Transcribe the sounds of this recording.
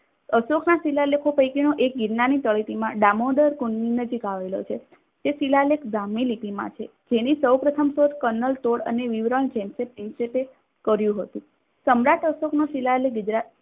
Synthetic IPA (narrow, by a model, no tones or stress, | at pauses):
əsokʰnasilalekʰopəjkinoʔek̚ɡiɾnanit̪əɭit̪imãɖamoɖəɾkunːinəd͡ʒikaʋelo̰t͡ʃʰe | d͡ʒ̪esilalekɡamilit̪imã̰t͡ʃʰed͡ʒenisəwpɾət̪ʰəmsoɾkənəlt̪oɽə̰neʋiʋɾəɳd͡ʒɛmsepɾɪnsepe | kəɾjũɦət̪ũ | səmɾaʈəsoknosilaleɡʊd͡ʒɾa